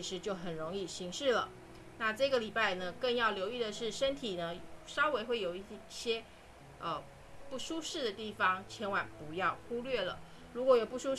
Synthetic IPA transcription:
i˧˥ʂɻ̩˧˥t͡ɕjo˥˩ʊxə˨˩nɻo˧˥ŋi˥˩ɕi˧˥ŋʂɻ̩˥˩lə̰˩ | na˥˧ʈ͡ʂɤ˥˩ɡə˩li˨˩pa˥˩ɪnə˩kə˥˧ŋjɑ˥˩ʊljo˧˥ʊy˥˩d̪ə˩ʂɻ̩˥˩ʂə˥nt̪ʰi˨˩nə˦ʂɑ˥ʊwe˧˥ɪxwe˥˩ɪjo˨˩ʊi˥˩ɕjɛ˥ | ə˧ | pu˥˩ʂu˥ʂɻ̩˥˩d̪ə˩t̪i˥˩fɑ˨˩ŋt͡ɕʰjɛ˧˥nwa˨˩npu˧˥jɑ˥˩ʊxu˥lɥɛ˥˩lə̰˩ | ɻu˧˥kwɔ˧˥jo˨˩ʊpu˥˩ʂu˥

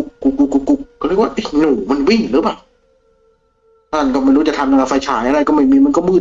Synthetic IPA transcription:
k̚ːu˧˩kːu˧˩kːu˧kːu˧˩k̚ːɔː˧˩ɾi˧˥˩kwa˥˧˩ʔe˧˩nuː˨˩˦ma˧nwi˥˩ŋlɯː˨˦paː˨˩w | aː˧˨nkɔ˧˩ma˧ɾu˦˥˩t͡ɕa˨˩t̪ʰa˧na˧la˧˩fa˧jt͡ɕʰaː˨˩˦jʔa˧ɾa˧˩jkɔ˥˩ma˧˥˩jmiː˧ma˧nkɔ˥˩mɯː˧˩

